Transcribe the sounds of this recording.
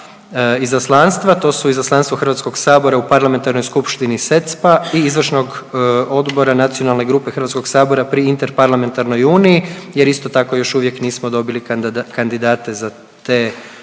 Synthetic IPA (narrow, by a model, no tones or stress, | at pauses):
izaslˠanst̪ʋat̪o̞ːsuizaslˠanst̪ʋoxɾrʋat̪sko̞ɡsaːbo̞ɾaupaɾlament̪aɾno̞jskupʃt̪inise̞t̪spaiizʋr̩ʃno̞ɡo̞d̪bo̞ɾanat̪sijonalˠne̞ɡɾuːpexɾrɾʋat̪ko̞ɡsaːbo̞ɾapɾiint̪eɾpaɾlame̞nt̪aɾno̞juːniːjeɾist̪o̞t̪ako̞jo̞ʃuːʋje̞kniːsmo̞d̪o̞bilikand̪id̪aːt̪e̞za | t̪eː